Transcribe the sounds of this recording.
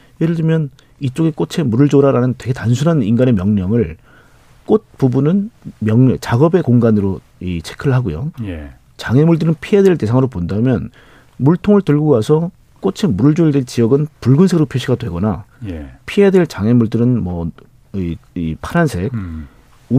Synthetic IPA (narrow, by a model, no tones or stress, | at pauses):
jeɾɯɭd͡ʑɯmjʌn | it͡ɕ͈oɡe̞k͈ot͡ɕʰe̞muɾɯɭd͡ʑoɾaɾanɯntwe̞ɡe̞tansʰunɦaniŋɡane̞mjʌŋɲʌŋɯɭ | k͈ot̚pubunɯnmjʌŋɲʌt͡ɕaɡʌbe̞koŋɡanɯɾo | it͡ɕʰe̥kʰɯɭɦaɡojo̰j | t͡ɕaŋe̞muɭdɯɾɯnpʰie̞dwe̞ɭte̞sʰaŋɯɾopondamjʌn | muɭtʰoŋɯɭtɯɭɡowasʰʌ | k͈ot͡ɕʰe̞muɾɯɭd͡ʑoidet͡ɕiʌɡɯnpuɭɡɯnsʰe̞ɡɯɾopʰjoɕʰiɡatwe̞ɡʌna̰ | pʰiɦedwe̞ɭt͡ɕaŋe̞muɭdɯɾɯnmʌ | iipʰaɾansʰe̞k̚ | u